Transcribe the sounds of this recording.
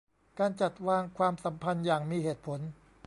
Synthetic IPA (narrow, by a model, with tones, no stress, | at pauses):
kaː˧nt͡ɕa˨˩t̪̚waː˧ŋkʰwaː˧msa˩˦mpʰa˧njaː˨˩ŋmiː˧ɦeː˨˩t̪̚pʰo˩˦n